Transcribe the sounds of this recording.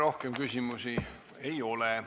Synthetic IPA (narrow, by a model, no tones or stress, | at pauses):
ɾo̞hkemkysʲimusi | ejo̞le